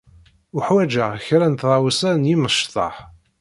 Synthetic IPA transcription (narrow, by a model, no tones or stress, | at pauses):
ʊħwæd͡ʒæçɾænt̪ðˤɑwəsænjiməʃt̪ˤɑ̰ħ